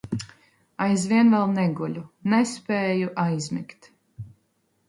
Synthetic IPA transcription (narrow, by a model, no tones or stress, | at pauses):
ajzviɛnvɛlˠnɛɡulʲunɛspɛːjuʔajzmḭkt̪